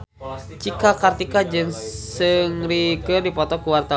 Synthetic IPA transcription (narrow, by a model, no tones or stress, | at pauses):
t͡ʃikakart̪ikad͡ʒɨŋsɨŋrikɨrdipɔt̪ɔkuwart̪a